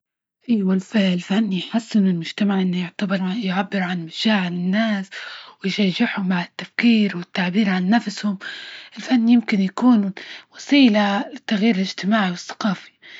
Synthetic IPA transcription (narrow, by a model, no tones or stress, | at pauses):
ʔajwalfɪʕɪlfanːjħasːɪnɪlmʊʒt̪amaʕʔɪnːʊjɪʕt̪abɪɾajʕabːɪɾʕanmaʃaːʕɪlɪnːaːswɪjʃaʒɪħhʊmbaʕɪt̪ːafkiːɾwɪt̪ːaʕbiːɾʕanːafshʊmɪlfanːjɪmkɪnjakuːnuwɑsiːlalɪt̪ːaɣjiːɾɪlɪʒt̪ɪmaːʕiwɪθːḁqɑːfi̥